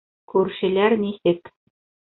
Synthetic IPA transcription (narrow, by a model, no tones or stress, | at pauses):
kʉɾʃɘ̆læɾnisɘk